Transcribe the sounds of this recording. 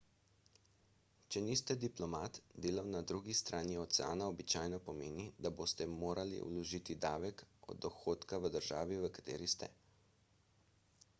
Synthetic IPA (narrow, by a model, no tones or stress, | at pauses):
t͡ʃɛnist̪ɛd̪iplɔmaːt̪d̪eːlawnad̪ɾuːɡist̪ɾʔaːniɔt̪sɛa̰ːnaɔbit͡ʃaːjnɔpɔmeːnid̪aboːst̪ɛmoːɾʔalḭṵlɔʒiːt̪id̪aːʋɛkɔ̰d̪d̪ːɔxoːt̪kaʋəd̪əɾʒa̰ːʋiʋəkḁt̪ḛːɾist̪ɛ̰